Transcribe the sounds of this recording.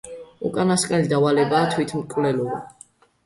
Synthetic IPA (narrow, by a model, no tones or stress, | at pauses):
ṵkʼanaskʼnɛlid̪avalɛbaːt̪ʰwit̪ʰmkʼvlɛlɔba